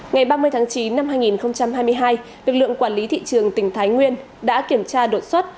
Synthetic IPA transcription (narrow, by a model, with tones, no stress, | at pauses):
ŋa˨˩jɓaː˧mɨ˧əjt̪ʰaː˨˦ŋt͡ɕi˨˦nːa˧mɦaː˧jŋi˨˩nxə˧wŋ͡mt͡ɕa˧mhaː˧jm˧əjɦaː˧j | lɨ˨˩k̚lɨ̰˧˨əŋkwaː˧˩nli˨˦t̪ʰḭ˧˨t͡ɕɨ˨˩əŋt̪ï˧˩ŋ̟t̪ʰaː˨˦jŋwi˧ən | ɗa̰ː˧˥ki˧˩əmt͡ɕaː˧ɗo˨˩t̚swaː˦˥t̚